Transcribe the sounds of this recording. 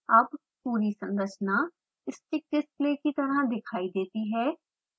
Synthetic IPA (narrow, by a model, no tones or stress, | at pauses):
əb | puːɾiːsəŋɡət͡ʃʰnãː | ɪst͡ʃɪk̚ɪskleːkiːt̪əɾãːd̪ɪkʰaːiːd̪eːt̪iːɦɛː